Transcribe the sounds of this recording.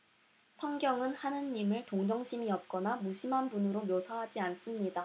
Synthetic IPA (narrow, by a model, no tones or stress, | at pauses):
sʰʌŋɡjʌŋɯnhanɯnːimɯɭtoŋd͡ʑʌŋɕʰimiʌt̚k͈ʌnamuɕʰimɦanbunɯɾomjosʰaɦad͡ʑians͈ɯmɲida